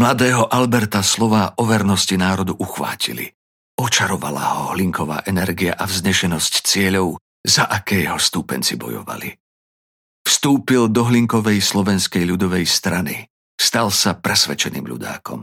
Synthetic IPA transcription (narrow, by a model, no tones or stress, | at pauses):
mlad̪ɛːɦɔʔalbɛɾt̪aslɔʋaːʔɔʋɛɾnɔscinaːɾɔd̪uʔuxʋa̰ːcḭlḭ | ɔt͡ʃaɾɔʋa̰la̰hɔɦliŋkɔʋa̰ːʔɛnɛɾɡia̰ʔavzɲɛʃɛnɔsct͡sɪɛʎɔʊ | zaʔakɛjɦɔst̪uːpɛ̰nt͡sibɔ̰jɔ̰ʋa̰lḭ | fst̪uːpild̪ɔɦliŋkɔʋɛjslɔʋɛnskɛjʎud̪ɔʋɛjst̪ɾanḭ | st̪alsapɾɛsʋɛ̰t͡ʃɛnḭːmʎṵd̪a̰ːkɔ̰m